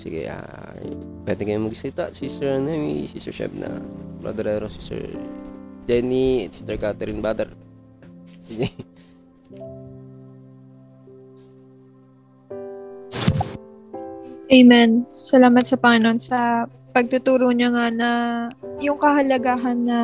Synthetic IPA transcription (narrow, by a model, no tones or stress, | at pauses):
sɪɡɛ̰ʔa̰ | pwɛːd̪ɛkɐjʊnmɐɡsɐlɪt̪aʔsisɛɹnɛmḭsisɛ̰ʃɛ̰p̚nɐ̰bɾo̰d̪ɛɾɛɾosi̥sɛ̰ɹ | d͡ʒɛniɛt̪̚si̥t̪ɛɹkat̪ɛɾinbad̪ɛɾ | sid͡ʒɛn | ʔejmɛnsɐlaːmɐt̪̚sɐpɐŋɪno̞nsɐ | pɐɡ̚t̪ʊt̪uːɾoɲaŋanɐjʊŋkɐhɐlɐɡaːɦɐnːɐ